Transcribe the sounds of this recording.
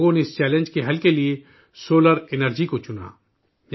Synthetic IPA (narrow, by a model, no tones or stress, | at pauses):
ɡõneɪst͡ʃɛːlẽnd͡ʒkeɦɐlkelie | soːləɾɪnəɾd͡ʒikot͡ʃʊna̰ː